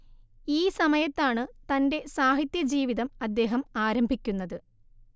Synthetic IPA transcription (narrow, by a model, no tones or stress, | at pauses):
iːsɐmɐjɐt̪ːaːɳɨt̪ɐnde̞saːɦit̪jɐd͡ʑiːʋiðɐmɐd̪ːe̞ːɦɐmaːɾɐmbʱikʲːunːɐðɨ